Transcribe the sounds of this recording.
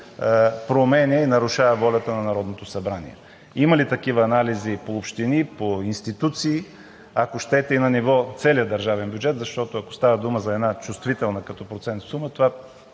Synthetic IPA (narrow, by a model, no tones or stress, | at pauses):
pɾomɛnʲɛinɐɾuʃavəvɔlʲɐt̪ənɐnɐɾɔd̪not̪osɐbɾanḭɛ̰ | imɐlit̪ɐkivəːnalizipoːpʃt̪inipoinst̪it̪ut̪siː | akoʃt̪ɛt̪ɛinɐnivɔt̪sɛlijəd̪ɐɾʒavɛnbʲjud͡ʒɛt̪zɐʃt̪ɔt̪oɐko̥st̪avəd̪uməzɐɛd̪nat͡ʃust̪vit̪ɛlˠnəkɐt̪ɔpɾot̪sɛnt̪sumət̪ova